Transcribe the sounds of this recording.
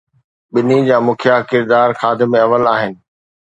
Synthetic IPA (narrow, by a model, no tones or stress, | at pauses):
ɓɪnid͡ʑaːmʊkʰjakɪɾd̪aːɾxaːd̪ɪ̆mẽɐʋəlaːɦɪnɪ̆